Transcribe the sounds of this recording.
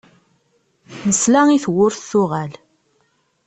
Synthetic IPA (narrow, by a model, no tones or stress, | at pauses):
nəslæŋiθwʊɾθθʊʁæl